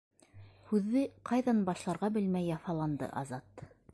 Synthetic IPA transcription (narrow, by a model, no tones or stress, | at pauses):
hʉðːɘqɑjðɑnbɑʃlˠɑɾʁɑbɘlmæjːɑfɑlˠɑnd̪ɤ̰ʔɑzɑt̪